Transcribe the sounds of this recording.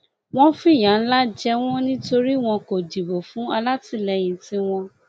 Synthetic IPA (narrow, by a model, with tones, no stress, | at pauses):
w̃ɔ̃˦fi˦˨j̃ã˨n̩˦la˦d͡ʒɛ˦w̃ɔ̃˦nĩ˦to˧ɾi˦w̃ɔ̃˧ko˨di˨bo˨fũ˨˦a˧la˦ti˨˦lɛ˨˧j̃ĩ˧tĩ˦w̃ɔ̃˧